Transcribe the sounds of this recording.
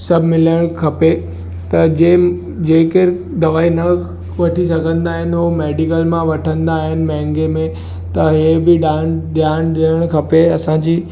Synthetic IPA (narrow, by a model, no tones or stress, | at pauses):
sɐbʱmɪləɽ̃kʰɐpe | t̪ɐd͡ʑeː | d͡ʑeːkɪɾ | d̪ɐʋaːinɐ | ʋɐʈʰisɐɡʱə̃nd̪aːɦɪnɪɦomeːɖɪkəlmãʋɐʈʰə̃nd̪aːɦɪnɪ̆mɛ̃ɦŋɡemẽ | t̪ɐɦebɪɖaːnɗ̪jaːnd̪iəɽ̃kʰɐpeɐsãd͡ʑiː